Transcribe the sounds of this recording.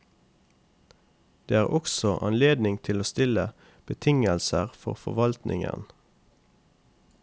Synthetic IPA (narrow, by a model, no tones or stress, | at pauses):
d̪̥eːæːʁɔksɔʔɑ̰nleːd̪nɪŋt̪ʰɪloːst̪ɪlə | b̥ət̪ʰɪŋəlsəʁfɔ̰ʁfɔʋɑlt̪nɪŋə̰n